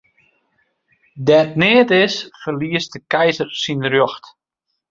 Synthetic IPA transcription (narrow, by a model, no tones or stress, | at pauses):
dɛtnɪːətɪsfərliəstdəkɛjzərsinərjɔxt